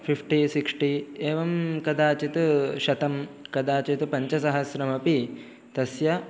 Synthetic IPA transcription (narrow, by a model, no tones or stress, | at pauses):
pʰipʰʈisiksʈieːʋɐmkɐd̪aːt͡ʃit̪ʃɐt̪ɐmkɐd̪aːt͡ʃit̪upɐɲt͡ʃɐsɐɦɐsɾɐmɐpi | t̪ɐsjɐ